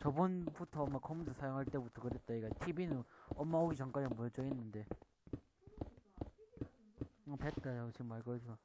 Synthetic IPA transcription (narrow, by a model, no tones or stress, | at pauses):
t͡ɕʌbunbutʰʌːmːakʰʌmud͡ʑʰʌsʰajoŋɦaɭt͈e̞butʰʌkɯɾet̚t͈aiɡatʰibinɯnʌmːaoɡit͡ɕʌŋk͈wad͡ʑiamut͡ɕ͈ʌɦenːɯnde | ʌpet̚t͈aɾaɡt͡ɕiɡɯmaɭkʌɡa